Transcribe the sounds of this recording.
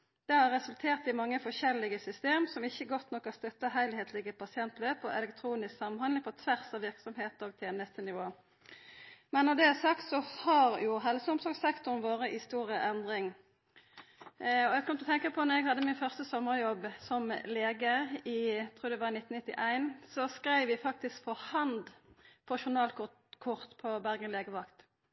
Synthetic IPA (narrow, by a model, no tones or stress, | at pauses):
d̪̥ɛhɑɾʁːɛsʉlt̪ʰeːʁt̪ɪmɑŋːəfɔʃɛlːɪɡəsʏst̪eːmsɔmɪçːəɡɔt̪nɔkːɑst̪œt̪ːəɦæɪlheːt̪ʰlɪɡəpʰɑsɪɛnt̪løːpɔʔɛ̰lɛkt̪ʰɾuːnɪsksɑmɑnɑnŋpʰɔt̪ʰʋæʁsɑʋɪʁksɔmheːt̪ɔɡ̚t̪ʰɛːnəst̪ənɪʋoː | mɛnːɔd̪ɛæsɑkt̪sɔhɑʁjʊɦɛlsɔmsɔɡsɛkt̪ʊmʋoːʁəʔɪst̪uːʁəʔɛnd̪ʁɪŋ | ɔɛɡkʰɔmt̪ɔt̪ʰɛŋkəpʰɔnɔʁɛɡhɑd̪ːəmɪnfœʁst̪əsɔməʁjɔbːsɔmleːɡəɪt̪ʰɾuːɾd̪ɛʋɑɪnɪt̪n̩ɪt̪ːɪ̰ʔæɪnsɔskʁæɪʋɪfɑk̚t̪ɪskfɔʁhɑnd̪pʰɔʃʊʁnɑːlk | kʰʊʁt̪pʰɔbæʁɡənleːɡəʋɑkt̪